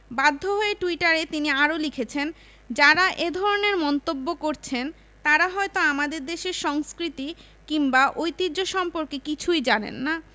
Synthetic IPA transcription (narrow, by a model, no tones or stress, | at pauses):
bad̪ʱːoɦoeʈuiʈaɾet̪iniaɾolikʰet͡ɕʰen | d͡ʑaɾaʔed̪ʱɔɾoneɾmɔnt̪obːokoɾt͡ɕʰen | t̪aɾaɦɔet̪oamad̪eɾd̪eʃeɾʃɔŋskɾit̪i | kiŋbaʔojt̪ioʃɔmpoɾkekit͡ɕʰujd͡ʑanḛnːa